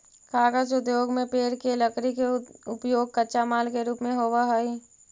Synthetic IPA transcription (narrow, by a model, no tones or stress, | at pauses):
kaːɡat͡ʃʊd̪joːɡmẽpeːɾkeləkɾikeʊpjoːɡ̚kəːt͡ʃamaːlkeɾuːpmẽɦoːʋaɦoi